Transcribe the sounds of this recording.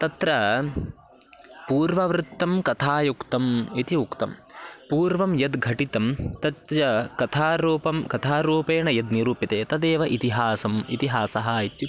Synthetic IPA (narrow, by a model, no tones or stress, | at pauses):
t̪ɐt̪ɾɐ | puːɾʋɐʋɾɨt̪ːɐmkɐt̪ʰaːjukt̪ɐmit̪iukt̪ɐ̰mpuːɾʋɐmjɐd̪ɡʱɐʈit̪ɐmt̪ɐt̪jɐkɐt̪ʰaːɾuːpɐmkɐt̪ʰaːɾuːpeːɳɐjɐd̪niɾuːpit̪eːt̪ɐd̪eːʋɐʔit̪iɦaːsɐmḭt̪iɦaːsɐɦɐjit̪ju